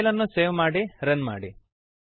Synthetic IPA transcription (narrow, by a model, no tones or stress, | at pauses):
lɐnːuseːʋmaːɽiɾɐnma̰ːɽi